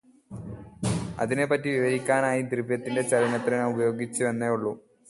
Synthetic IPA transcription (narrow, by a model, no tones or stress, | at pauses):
ɐ̰ðine̞pːɐtːiʋiʋɐɾikʲːaːnaːjit̪ribjɐt̪ːinde̞t͡ɕɐlɐnɐt̪ːrɐnɐubɐjo̞ːɡit͡ɕːuʋenːeuɭːu